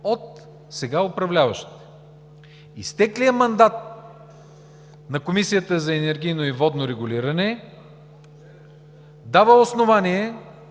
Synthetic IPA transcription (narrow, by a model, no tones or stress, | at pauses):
ot̪̚ | sɛɡaopɾɐvlʲavɐ̰ʃt̪i̥t̪ɛ̥ | ist̪ɛklijəmɐnd̪at̪̚ | nɐkomisijət̪əzɐɛnɛɾɡʲijnoivɔd̪noɾɛɡʊliɾɐnɛ | d̪avəosnovanʲiɛ